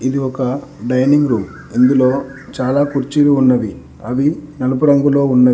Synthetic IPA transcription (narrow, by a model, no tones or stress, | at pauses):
id̪iɔkɐɖɐjniŋɡɾuːm | ind̪ulo̞ːt͡ʃaːlaːkuɾt͡ʃiluːnːɐʋ̪i | ɐʋinɐlupɐɽɐŋɡulo̞ːunːɐ